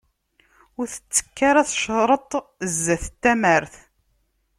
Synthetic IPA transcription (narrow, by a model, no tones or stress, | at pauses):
ʊɾθə̥t͡sːə̥kːaɾaθʃɾˤət̪ˤzːæθət̪ːæməɾθ